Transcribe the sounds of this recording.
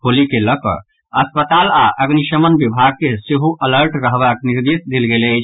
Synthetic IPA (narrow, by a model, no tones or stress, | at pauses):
kʰolikeləkə̰ | əspət̪alaʔəɡniʃəmənbibʱaɡ̚keseɦuʔələɾʈɾəɦbakniɾd̪isd̪ilɡeləɪt͡ʃʰ